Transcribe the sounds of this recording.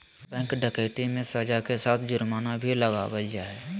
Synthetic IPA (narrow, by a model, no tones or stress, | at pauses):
bɛ̃ːŋkɖəkeːʈimẽsəd͡ʒakesaːt̪ʰd͡ʒʊɾmaːnabʱiləɡawəljaɛː